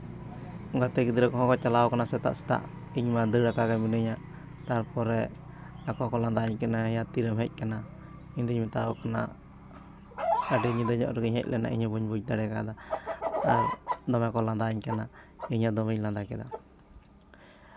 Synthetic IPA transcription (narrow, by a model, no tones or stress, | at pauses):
ɡat̪ɛɡid̪ɾɛkɔɦɔ̃kɔt͡ʃalaɔkanasɛt̪a̰ʔsɛ̥t̪a̰ʔiɲmad̪əɽakaɡaminəɲaʔ | t̪aɾpɔɾɛ | akɔkɔland̪aɲkɛnajat̪iɾəmɦɛc̚ˀkana | iɲd̪əɲmɛt̪aɔkana̰ | əɖɛɲid̪əɲɔ̰ʔɾɛɡiɲhɛ̰c̚lʔɛna̰ʔḭɲɔbuɲbuc̚d̪aɽɛkad̪a | aɾd̪ɔmɛkɔland̪aɲkana | iɲad̪ɔmɛɲland̪akɛd̪a̰